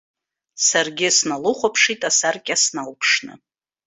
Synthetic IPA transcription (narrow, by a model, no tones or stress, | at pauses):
sarɡʲɪsnalʊχʷapʰʂitʼasarkʲʼasnalpʰʂnɨ̰